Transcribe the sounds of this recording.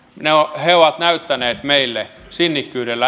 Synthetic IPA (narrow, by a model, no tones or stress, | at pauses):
neoheoʋɑt̪næyt̪ːæneːt̪meilːe | sinːikːyːdelːæ